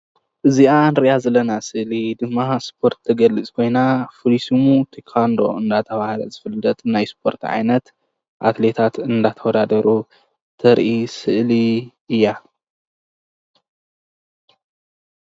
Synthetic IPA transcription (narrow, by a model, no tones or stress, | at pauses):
ʔɨzianɾiʔazɐlːɐnasɨʔlid̪ɨmːaspʰo̞ɾt̪ʰːɐɡɐlːɨt͡sʼkʰo̞jnafɨɾisumut̪ʰikʰand̪o̞̰ɨnd̪at̪ʰɐβahlɐ̰zɨfɨlːɐt̪ʼnajspʰo̞ɾt̪ʰʕa̰jnɐt̪ | ʔa̰t̪le̞t̪ʰat̪ɨnd̪at̪ʰɐwɔd̪ad̪ɐɾu | t̪ʰɐɾʔisɨʔli | ɨjːa